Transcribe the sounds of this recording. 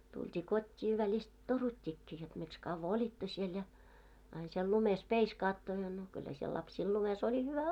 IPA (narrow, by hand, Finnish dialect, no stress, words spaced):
tultʲiː kotʲːiː ʋælist torutʲːikːiː jot miks kɑʋːɑ olʲitːo siel jɑ ɑin siel lumes peiskɑːtːo jɑ no kylːæ siel lɑpsiːl lumes olʲi hyʋæ